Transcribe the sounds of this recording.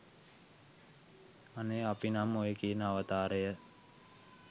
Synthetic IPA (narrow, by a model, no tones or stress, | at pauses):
aneapinamojekiənəaʋət̪aːɾəjə